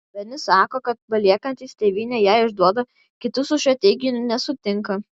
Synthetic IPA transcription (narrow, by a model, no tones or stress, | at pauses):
ʋʲɛnʲɪsɑːkoːkɐt̪̚pɐlʲiɛkɐnʲt̪ʲiːsʲt̪ʲeːʋʲiːnʲeːjæːɪʒd̪uɔd̪ɐ | kʲɪt̪ʊsʊʃʲɐt̪ʲɛɡʲɪjʊnʲnʲɛsʊt̪ʲɪŋkɐ